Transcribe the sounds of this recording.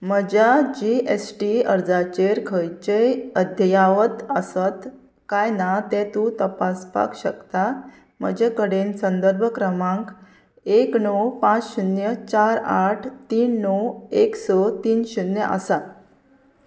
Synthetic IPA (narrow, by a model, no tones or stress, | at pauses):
məd͡ʑad͡ʑiesʈiəɾd͡zat͡ɕeɾkʰəjt͡ɕeəd̪ʱjaʋət̪əsət̪ | kajnat̪ɛ̃t̪ũt̪əpaspa̰kɕəkt̪a | m̤ə̰d͡ʑekəɽensənd̪əɾbʱəkɾəmãŋk | eknɔwpãt͡sɕunjət͡ɕaɾaʈʰt̪iːnːɔweksɔt̪iːnɕunjəʔə̰sa